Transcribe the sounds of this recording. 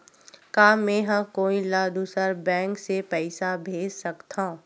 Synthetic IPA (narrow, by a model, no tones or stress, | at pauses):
kaːmẽːɦə̃koːilaːd̪usəɾbɛ̃ːŋksepɛɪsabʱeːd͡ʒsɐkt̪ã